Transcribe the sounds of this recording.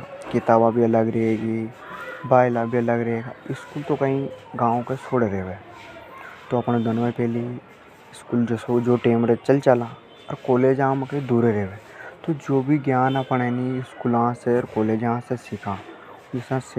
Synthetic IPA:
kɪt̪aːbabʱiɐləɡɾɐɦeːɡi | baːɪlabʱiɐləɡɾɐɦeːɡaɪskuːlt̪okɐĩɡãːõket͡ʃʰoːɽeɾeːʋeː | t̪oɐpnẽd̪ənʋepɛːli | ɪskuːld͡ʒesod͡ʒoːʈeːmɾet͡ʃəlt͡ʃəlã | ɔɾkoːleːd͡ʒãmkəĩd̪uːɾeɾeʋeːt̪od͡ʒoːbʱiɡjaːnɐpnɛniɪskuːlɐãseɔːɾkoːleːd͡ʒɦãsesɪkʰãː | d͡ʒɪsãs

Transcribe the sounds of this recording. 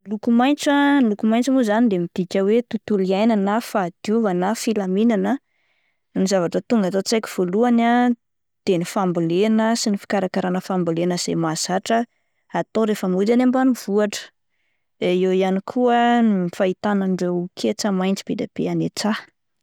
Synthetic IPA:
lukumajnt͡salukumajnt͡simuzanid̪emid̪̥ikʲəwet̪ut̪uliajnanafad̪̥juvanafilaminanə | nizavaʈ͡ʂət̪uŋɡat̪ot͡sajkʲi̥v̥oluana | d̪̥enifambulenəsinifi̥kaɾakaɾanəfambulenəz̥emaz̥aʈ͡ʂə | at̪oɾefəmud͡ʒanambaniv̥uaʈ͡ʂə̥ | iewijanikʰuənifait̪anaɳɖ͡ʐewkʰet͡samajnt͡si̥b̥ed̪ab̥ḛanet͡sa

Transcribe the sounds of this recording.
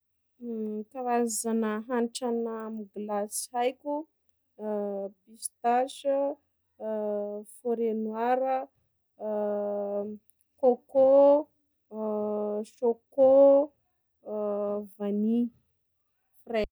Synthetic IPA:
kawazanəɦanʈ͡ʂanamiɡlasi̥ajkʲu | pist̪aʃə | foɾenwaɾə | koko | ʃoko | vani | fre

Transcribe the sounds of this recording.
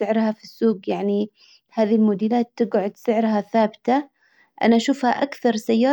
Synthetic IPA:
ɪʕɾhafisːuːɡjaʕni | haːðilmʊd̪iːlaːt̪ːɪɡʕʊd̪sɪʕɾhaθaːbɪt̪a | ʔa̰naʔaʃuːfhaʔakθɑɾˤsajːɑː

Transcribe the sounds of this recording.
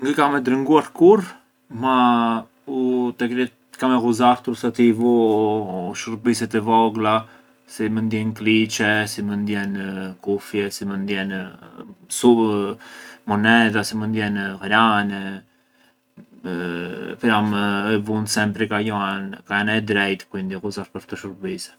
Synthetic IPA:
ŋɡəkamɛd̪ɾəŋɡuaɾkuɾ | ma | ut̪ɛkɾit | kamɛɣuzaɾt̪ɾusat̪ivu | ʃuɾpis̬ɛt̪ɛvɔɡla | simənd̪jɛnklit͡ʃɛsimənd̪jɛnkufjɛsimənd̪jɛn | su | mɔnɛt̪asimənd̪jɛnhɾanɛ | pɾamɛvunsɛmpɾikajɔɛnkaanɛd̪ɾɛjt̪kuind̪iɣuzaɾpəɾt̪əʃuɾbisɛ̥

